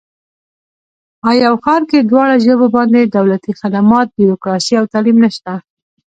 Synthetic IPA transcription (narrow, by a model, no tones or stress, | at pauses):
ɑjɑwxɑɾked̪wɑɽaʒəbobɑnd̪ed̪awlat̪ixad̪amɑt̪̚biɾokɾɑsiawt̪ɑlimnəʃt̪a